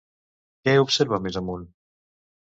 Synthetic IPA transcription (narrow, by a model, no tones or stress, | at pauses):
kɛeupseɾβamezəmun